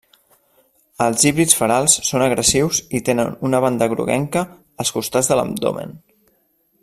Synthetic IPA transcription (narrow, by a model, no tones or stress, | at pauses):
əlˠziβɾit͡sfəɾalˠsːonəɣɾəsiwzit̪enə̰nunəβ̞and̪əɣɾṵɣɛ̰ŋkəː | lˠskust̪ad͡zðələ̰md̪o̰mə̰n